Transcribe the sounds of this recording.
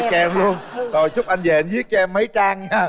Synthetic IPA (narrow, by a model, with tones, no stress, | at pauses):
kɛː˨˧˩mlu˧ənzo˨˩jt͡ɕʊ˦˥k͡p̚ʔa˧jn̟zɛ̰˨˩ʔa˧nzi˦˥ət̚t͡ɕɔ˧ɛ˧mːə˨˦jt͡ɕa˧ŋa˧˦